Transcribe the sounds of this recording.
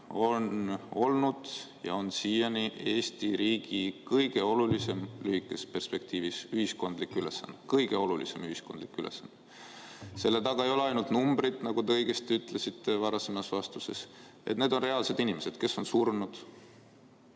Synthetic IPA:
o̞no̞lnud̪̥jɑ̰o̞nsiːjɑnie̞ːst̪iɾiːɡ̥ikɤjɡ̥e̞o̞lulise̞mlyhikːˑe̞spe̞rspe̞kt̪iːvisyhisko̞nd̪likːˑyle̞̰sːɑ̰nd̪̥kɤjɡ̥e̞o̞lulḭse̞myɦisko̞nd̪likːˑylḛsɑnd̪ | se̞lːe̞t̪ɑɡ̥ɑe̞jo̞leɑjnult̪numbɾit̪nɑɡ̥ut̪eɤjɡest̪yt̪ˑlesit̪ːe̞vɑɾɑsemɑsvɑst̪use̞̰s | ḛt̪ned̪̥o̞nre̞ɑlse̞d̪inime̞se̞d̪̥ke̞so̞nsurnud̪̥

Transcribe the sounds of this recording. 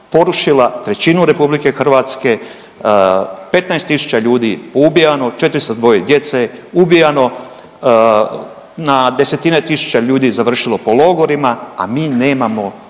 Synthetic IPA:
po̞ɾuʃilat̪ɾe̞t͡ɕinuɾe̞publike̞xr̩ʋaːt̪ske̞ | pe̞t̪naest̪ːisu̥t͡ɕaʎuːd̪ipoubijano̞t͡ʃe̞t̪ɾist̪od̪ʋo̞jed̪je̞t̪seubijano̞ | nad̪e̞se̞t̪inet̪isu̥t͡ɕaʎuːd̪izaʋr̩ʃilo̞po̞lo̞ɡo̞ɾimaa̰miːne̞ːmamo̞

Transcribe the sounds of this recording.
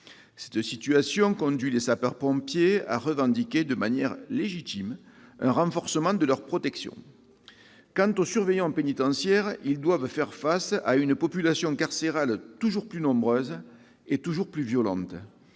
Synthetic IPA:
sɛ̥t̪sit̪yasjɔ̃kɔ̃d̪ɥilesapaʁpɔ̃pjea̰ʁəvɑ̃nd̪ikʲed̪əmanjɛʁleʒit̪im | ɛ̃ʁɑ̃fɔʁsəmɑ̃d̪əlœʁpχɔt̪ɛksjɔ̰̃ | kɑ̃nt̪osyʁvejɑ̃penit̪ɑ̃sjɛʁild̪wavfɛʁfasa̰ynəpɔpylasjɔ̃kaʁseʁalt̪uʒuʁplynɔ̃mbʁøz | et̪uʒuʁplyvjɔlɑ̰̃t̪ə

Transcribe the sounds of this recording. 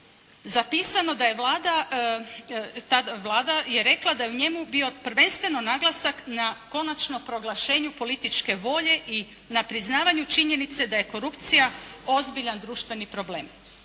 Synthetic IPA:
zapiːsano̞d̪ajeʋlaːd̪a | t̪aaʋlˠaːd̪aje̞ɾe̞klˠad̪aje̞uɲe̞mubio̞pɾ̩ʋe̞nst̪ʋe̞no̞naɡlˠasaknako̞nat͡ʃno̞mpɾo̞ɡlˠaʃe̞ːɲupo̞lit̪it͡ʃke̞ʋo̞ʎe̞ʔi | napɾiznaːʋaɲut͡ʃiɲe̞nit̪se̞d̪aje̞ko̞ɾupt̪sijao̞zbiʎand̪ɾuːʃt̪ʋe̞nipɾo̞ble̞̰ːm

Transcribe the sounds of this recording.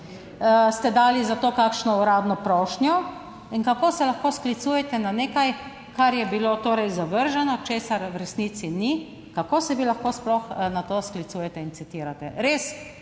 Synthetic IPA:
st̪ɛd̪aːlizat̪oːkakʃnɔuɾaːd̪nɔpɾɔːʃnjɔ | inkakoːsɛlaxkoːsklit̪sujɛt̪ɛnaneːkaj | kaɾjɛbilot̪oːɾɛjzaʋəɾʒɛnɔt͡ʃeːsaɾwɾɛsniːt̪sini | kakoːsɛʋilaxkoːsplɔxnat̪osklit̪suːjɛt̪ɛinsit̪iːɾat̪ɛ̰ɾes

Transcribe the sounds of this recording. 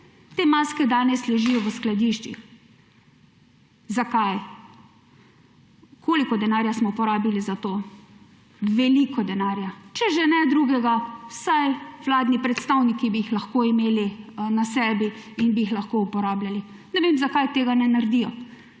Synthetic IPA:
t̪eːmaːskɛd̪aːnɛslɛʒijɔʋəsklad̪iʃt͡ʃḭx | zakaj | kʰoːlikɔd̪ɛnaːɾjasmɔupɔɾaːbilizat̪oː | ʋɛlikɔd̪ɛnaːɾjat͡ʃɛʒenɛd̪ɾuɡɛɡawsajʋlaːd̪nipɾɛt̪st̪awnikibiːxlaxkoːimeːlinasɛːbiːnbiixlaxkoupɔɾaːblali | nɛʋeːmzakajt̪eːɡanɛnaɾd̪ijɔ

